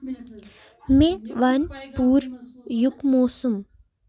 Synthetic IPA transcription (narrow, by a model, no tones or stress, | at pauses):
meʋɐnpuːɾjukmoːsum